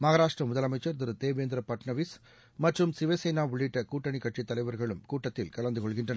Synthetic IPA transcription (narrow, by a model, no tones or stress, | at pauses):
mɐɣɐɾaːʂʈrɐmʊðɐlɐmɐɪt͡ʃːɐɾd̪ɐɾɯt̪eːʋeːnd̪ɪɾɐpɐʈɳɐʋis | mɐʈrɯmsɪʋɐsɐjnaːʋʊɭːɪʈːɐkuːʈːɐɳikːɐʈt͡ʃit̪ːɐlɐɪʋɐɾɣɐɭɯmkuːʈːɐt̪ːɪlkɐɭɐnd̪ɯkɔɭɣɪndrɐnɐ